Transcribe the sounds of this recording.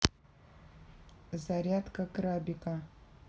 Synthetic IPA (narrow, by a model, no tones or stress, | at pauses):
zaɾʲat̪kʰʼakʼɾabikʼa